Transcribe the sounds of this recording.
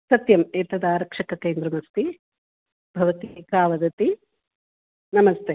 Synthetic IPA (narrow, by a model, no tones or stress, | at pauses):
sɐt̪jɐmeːt̪ɐd̪ɐaːɾɐkʂɐkɐkeːnd̪ɾɐmɐst̪i | bʱɐʋɐt̪ikaːʋɐd̪ɐt̪i | nɐmɐst̪ʰeː